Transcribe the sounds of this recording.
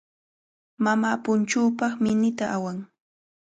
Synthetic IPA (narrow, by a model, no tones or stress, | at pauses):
mamaːpʊnt͡ʃuːpɑχmɪnɪt̪aʔawaŋ